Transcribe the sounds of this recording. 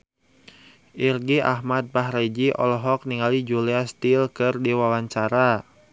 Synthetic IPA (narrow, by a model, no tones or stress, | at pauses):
ʔirɡiʔa̰ɦmat̪̚baɦred͡ʒiʔɔ̰lɔɦɔk̚niŋalid͡ʒuliast̪ilkɨrdiwawaɲt͡ʃaɾa